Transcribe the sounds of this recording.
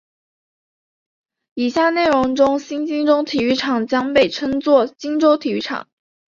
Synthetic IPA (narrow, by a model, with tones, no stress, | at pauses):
i˨˩ɕja˥˧ne˥˩ɪɻʊ˧˥ŋʈ͡ʂʊ˥ŋɕi˥nt͡ɕi˥ŋʈ͡ʂʊ˥ŋt̪ʰi˨˩y˥˩ʈ͡ʂʰɑ˨˩ŋt͡ɕjɑ˥ŋpe˥˩ɪʈ͡ʂʰɤ˥ŋt͡swɔ˥˩t͡ɕi˥ŋʈ͡ʂo˥ʊt̪ʰi˨˩y˥ʈ͡ʂʰɑ̰˨˩˦ŋ